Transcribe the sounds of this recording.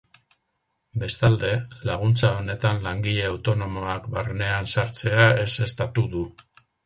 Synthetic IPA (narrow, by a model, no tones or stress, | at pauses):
be̞st̪ald̪e̞laɣ̞unt͡sao̞ne̞t̪anlaŋɡiʎe̞awt̪o̞no̞mo̞akbarne̞ansaɾt͡se̞ae̞se̞st̪at̪uðu